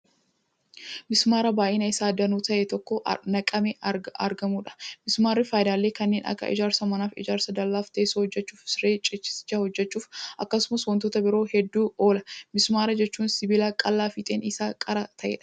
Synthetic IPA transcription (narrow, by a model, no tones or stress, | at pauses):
mɪsmaːɾɐbaːʔɪnɐɪsaːd̪ɐnuːt̪ɐʔɛt̪ɔkːɔnɐkʼɐmɛɐ̰ɾɡɐmuːᶑɐ̥mɪsmaːɾːɪfaːjɪd̪aːlːe̞ːkɐnːe̞ːnʔɐ̰kːɐ̰ʔɪ̰d͡ʒaːɾsɐmɐnaːfɪ̰d͡ʒaːɾsɐd̪ɐlːaːft̪eːsɐhɔd͡ʒːɛt͡ʃːuːfsɪɾeːt͡ʃʼɪt͡ʃːɪ̥sɪ̥t͡ʃːaːhɔd͡ʒːɛt͡ʃːuːfʔɐkːɐsʊmɐswɐnt̪ɔt̪ɐbɪɾo̞ːhɛd̪ːuːoːlɐmɪsmaːɾɐd͡ʒɛt͡ʃːuːnsɪbɪlaːkʼɐlːaːfɪt̪ʼeːnɪsaːkʼɐɾɐt̪ʰɐʔḛːᶑɐ̥